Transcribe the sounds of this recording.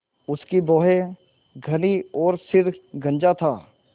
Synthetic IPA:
ʊskibɔːɦe | ɡʱɐniɔːɾsɪɾɡʱɐ̃nd͡ʒat̪ʰaː

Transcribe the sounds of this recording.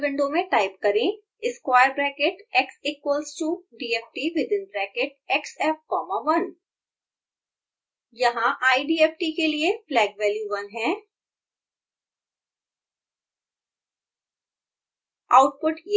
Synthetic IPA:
ʋɪ̃ɳɖõmẽʈaːɪpkɐɾẽ | ɪskwaːɪəɾbɾɛːkeʈɛksiːkwəlsʈuɖiːeːp̚ʈiʋɪd̪ɪ̃nbɾɛːkeʈ̚ɛksɛːp̚kɔːmaʋɐn | jɐɦãʔaːiɖiːɛːpʈikelieflɛːɡʋɛːljuʋɐ̃nɦɛ̃ː | aːʊʈ̚pʊʈje

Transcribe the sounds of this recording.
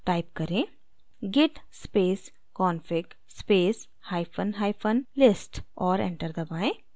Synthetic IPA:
ʈaːɪpkɐɾẽː | ɡɪʈspeːs | kɔːnfɪk | speːs | haːɪfʰənɦaːɪfʰənlɪsʈɔːɾɛ̰̃ɳʈəɾd̪ɐbaːẽ

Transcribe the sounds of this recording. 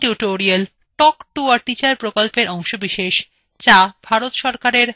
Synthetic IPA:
ʈjuʈoɾial | ʈɔkʈuaɾʈ̪it͡ɕaɾpɾokolpeɾʔɔŋʃobiʃeʃ | t͡ɕabʱaɾot̪ʃɔɾkaɾeɾ

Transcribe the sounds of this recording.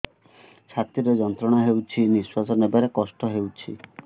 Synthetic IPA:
t͡ʃʰat̪ɾiɾed͡ʒɔnt̪ɾɔɽ̃aɦewt͡ʃʰiniswasɔnebaɾekɔsʈɔɦewt͡ʃʰḭ

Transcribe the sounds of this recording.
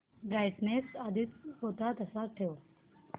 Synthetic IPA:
ɡaːjɖnesaːd̪ɪt̪ɦoːt̪at̪ɐsaʈʰəjoː

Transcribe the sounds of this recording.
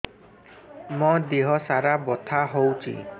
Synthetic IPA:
mod̪eɦɔsaɾabɔt̪ʰaɦowt͡ʃʰḭ

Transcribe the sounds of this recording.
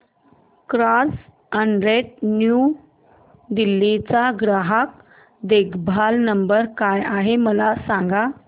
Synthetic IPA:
kɾas | əɳɾeʈnju | d̪ilːit͡saɡɾaɦak̚ | d̪eɡbʱalnəmbəɾkajaɦeməlasãŋɡa

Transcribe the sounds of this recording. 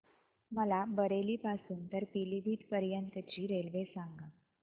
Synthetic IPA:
məlabəɾeliːpasuːnt̪əɾpilibʱiːt̪pəɾjənt̪ət͡ɕiːɾelʋesãŋɡa

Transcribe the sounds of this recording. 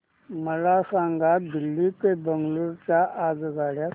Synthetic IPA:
məlasãŋɡat̪d̪ilːit̪ebəŋɡluɾt͡ɕjaʔad͡zɡaɽja

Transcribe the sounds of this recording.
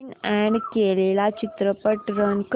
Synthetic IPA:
nɛɳɖkelelat͡ɕit̪ɾəpəʈɾənk

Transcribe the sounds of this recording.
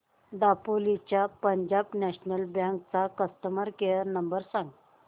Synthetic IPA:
d̪apolit͡ɕjapəɲd͡ʑabnɛɕnəlbjãŋkt͡sakəst̪əməɾkeəɾnəmbəɾsãŋɡ

